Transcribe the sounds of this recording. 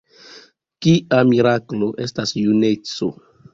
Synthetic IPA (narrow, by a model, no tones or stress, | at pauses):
kiamiɾaklo̞ʔestasjunet͡so̰